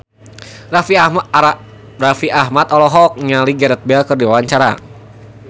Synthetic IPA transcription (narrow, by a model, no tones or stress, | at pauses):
rafia | rafiʔaɦmat̪ɔlɔɦɔk̚ɲaliɡaɾɛt̪̚bɛlkɨrdiwawaɲt͡ʃaɾa̰